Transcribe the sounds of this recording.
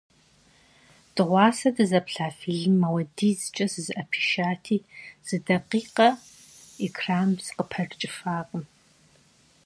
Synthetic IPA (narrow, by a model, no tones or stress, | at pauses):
d̥ɨʁʷɑːsɐdɨzɐpɬaːfiɮɨmːɐwɐdiːzɨt͡ʃʼɐsɨzɨʔɐpʰi̥ːʃaːtʰiːz̥ɨdɐqiːqɐ | ikʰraːmzɨqəpʰɐrt͡ʃʼɪfaːqʼəm